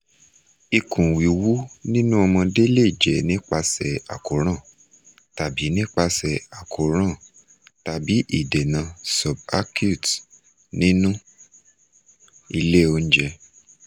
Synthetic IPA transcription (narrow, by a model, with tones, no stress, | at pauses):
i˧kũ˨wi˨wu˦nĩ˦nũ˦ɔ˧mɔ̃˧de˦le˦˨i˨d͡ʒɛ˨nĩ˦k͡pa˧sɛ˨a̰˨ko˨˦ɾ̃ã˦˨ | ta˨bi˨˦nĩ˦k͡pa˧sɛ˨a˨ko˨ɾ̃ã˦˨ | ta˨bi˨˦ʔi˦˨de˨nã˨˧sɔ˨ba˦kju˦˨t | nĩ˦nũ˦ | i˧le˦o˧n̩˦d͡ʒɛ˧